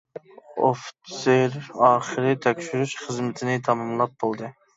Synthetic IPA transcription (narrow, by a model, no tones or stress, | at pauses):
oft̪seɾɑːχɨɾɨt̪ʰɛkʲʃyɾyʃχəzmɪt̪ʰɪnɪt̪ʰɑmɑmlˠɑp̚bolˠd̪ɨ